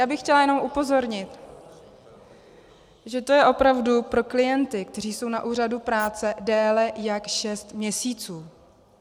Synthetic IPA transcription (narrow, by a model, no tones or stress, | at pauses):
jaːbɪxxcɛlajɛnomʔupo̞zo̞ɾɲɪt̪ | ʒɛt̪o̞jɛʔo̞pɾavdupɾo̞klɪjɛnt̪ɪkt̪ɛriːso̞wnaʔuːradupɾaːt͡sɛdɛːlɛjakʃɛst̪mɲɛsiːt͡suː